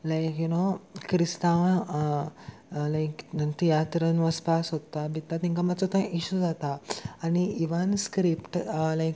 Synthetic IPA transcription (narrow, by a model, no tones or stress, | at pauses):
lajkjunokɾist̪ãʋ | lajkt̪ijat̪ɾənʋaspasɦot̪abit̪ːat̪ĩŋkamət͡sot̪ãʔiɕud͡zat̪aːñiiʋənskɾipʈlajk